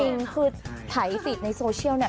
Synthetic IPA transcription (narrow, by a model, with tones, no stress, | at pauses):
i˧ŋkʰɯː˧˩t̪ʰa˩˦jfiː˨˩t̪̚na˧jsoː˧t͡ɕʰi˥˩əwni˥˩